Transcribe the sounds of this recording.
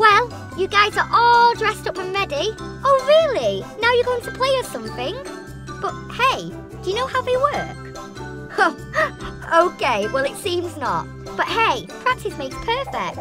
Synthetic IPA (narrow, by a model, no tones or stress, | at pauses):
wɛlˠ | jəɡaɪzə˞ʔɔlˠdɹɛstʌpə̃mɹɛdi | ʔoʊɹɪəlˠinaʊjəɡoʊɪ̃ŋtʰəpʰl̥eɪə̥sʌ̃mθɪ̃ŋ | b̥ʌt̚heɪ | d̥əjənoʊhaʊðeɪwɜ˞k | o | oʊkʰeɪwɛlˠɪtsĩmznə̰t̚ | b̥ʌʔ̚heɪpʰə̥ɹ̥ak̚tɪsmeɪkz̥pʰɜˑ˞fɛ̰k̚t̚